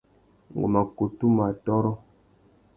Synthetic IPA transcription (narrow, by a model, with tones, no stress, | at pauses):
ŋo̰˨ma˨ku˨tu˦ma˨tɔ˦ɾɔ˦